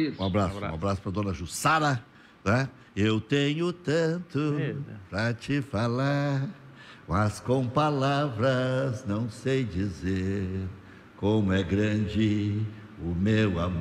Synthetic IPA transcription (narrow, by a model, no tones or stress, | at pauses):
ũabɾassʊũa̰bɾasʊ̥pɾɐd̪õnɐʒusaɾɐ | t̪a | ewt̪ẽɲʊt̪ɐ̃t̪ʊpɾɐt͡ʃɪfalaɾ | mɐskõw̃palavɾɐznɐ̃w̃sejd͡ʒizeɾ | kõmʊɛɡɾɐ̃d͡ʒɪ | ʊmewam